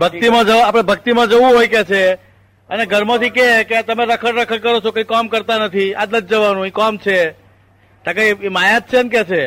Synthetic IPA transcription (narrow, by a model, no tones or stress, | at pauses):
bʱək̚t̪imãd͡ʒəʋapɽ̃ebʱək̚t̪imãd͡ʒəʋũɦojket͡ʃʰe | əneɡʱəɾmãt̪ʰikeket̪əmeɾəkʰəɽɾəkʰəɾkəɾot͡ʃʰokə̃ijkɔmkəɾt̪anət̪ʰiat̪ləd͡ʒ̚d͡ʒəʋanũikɔmt͡ʃʰe | t̪akajmajat̪̚t͡ʃʰeənket͡ʃʰe